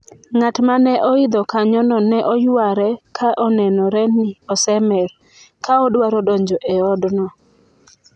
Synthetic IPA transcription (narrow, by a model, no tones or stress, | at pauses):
ŋatmanɛʔɔid̪ɔkaɲɔnɔnɛʔɔjwaɾɛkʰaʔɔnɛnɔɾɛniɔsɛmɛl | kaɔdwaɾɔdɔɲd͡ʒɔʔɛɔdnɔ